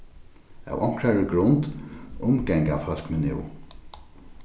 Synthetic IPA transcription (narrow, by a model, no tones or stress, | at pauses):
a̰wʔɔŋ̥kɹaɹəɡɾʊnt̪ʊmɡɛŋkafœlkmɛnɪ̰w